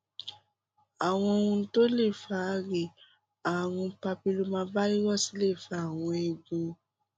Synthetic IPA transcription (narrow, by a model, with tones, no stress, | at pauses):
a˨w̃ɔ̃˧ũ˧˦to˦le˦˨fa˨˦ɾe˨ | a˨ɾ̃ũ˧pa˧pi˧lo˧mãː˧ba˦i˦wɔ˦˨si˨˦le˦˨fa˨˦˨w̃ɔ̃˧e˧ɡũ˧